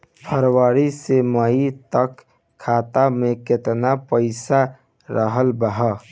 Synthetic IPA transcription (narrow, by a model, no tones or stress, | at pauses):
pʰəɾwaːɾisemait̪əkʰː | aːt̪amẽkɪt̪napəɪsa | ɾəɦəlbəɦə